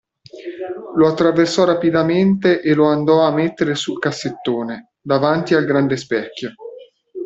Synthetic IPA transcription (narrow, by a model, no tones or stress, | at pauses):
loat̪ːɾaversɔɾapid̪ament̪eʔeloand̪ɔamːet̪ːeɾesulkasːet̪ːoːne | d̪avant̪ialɡɾand̪espɛkʲːjo